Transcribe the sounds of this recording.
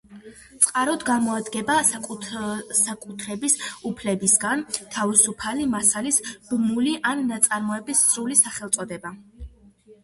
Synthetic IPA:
t̪sʼqʼaɾɔd̪ɡamɔad̪ɡɛba | sakʼut̪ʰɾɛbisupʰlɛbisɡant̪ʰavisupʰalimasalisb̥muliʔanːat̪sʼaɾmɔɛbisːɾulisaχɛlˠt̪sʼɔd̪ɛba

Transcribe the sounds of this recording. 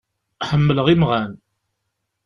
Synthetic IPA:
ħəmːələʁimʁæn

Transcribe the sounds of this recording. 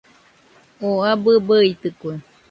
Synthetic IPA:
oabɨbəit̪ɨkʷe

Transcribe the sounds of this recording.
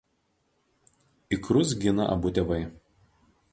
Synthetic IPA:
ɪkɾʊs̬ɡʲɪnɐ̰ʔɐ̰bʊt̪ʲɛʋɐɪ

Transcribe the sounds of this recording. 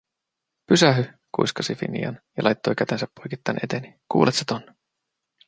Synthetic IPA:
pysæɦy | kṵjskɑsifḭnḭɑ̰njɑ̰lɑjt̪ːo̞jkæt̪e̞nsæpːojkit̪ːɑ̰ːnʔe̞t̪e̞nikṵːlʔet̪set̪onːe

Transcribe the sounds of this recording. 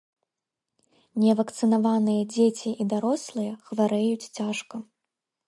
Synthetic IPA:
nʲɛvɐkt̪sɨnavanɨjɐd͡zʲet͡sʲiʔid̪aɾɔslˠɨjɐxvaɾɛjut͡sʲt͡sʲaʂkɐ

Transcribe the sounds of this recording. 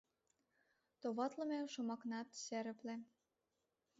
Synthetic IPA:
t̪oβɑt̪lə̆meʃumɑknɑt̪seɾə̆plĕ

